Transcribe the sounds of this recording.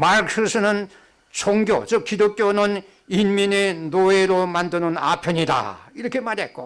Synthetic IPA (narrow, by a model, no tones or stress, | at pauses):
maɾks͈ʰɯsʰɯnɯn | sʰoŋɡjo̰t͡ɕɯk̚kidok̚k͈jonɯn | inminenoeɾomandɯnɯna̰pʰjʌɲida̰iɾʌkʰemaɾiḛt̚k͈o̰